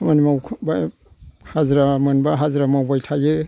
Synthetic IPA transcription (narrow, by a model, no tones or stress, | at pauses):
manimawkʰba | hazɾamanbaɦazɾamawbajtʰaje